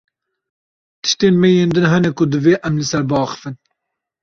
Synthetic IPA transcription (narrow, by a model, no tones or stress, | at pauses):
t̪ʰɨ̥ʃt̪eːnmɛjeːnd̪ɨnɦɛnɛkʊd̪ɨveːʔɛmlɨsɛɾbɑːxə̥fɨn